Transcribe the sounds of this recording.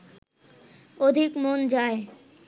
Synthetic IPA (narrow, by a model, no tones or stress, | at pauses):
od̪ʱikmond͡ʑae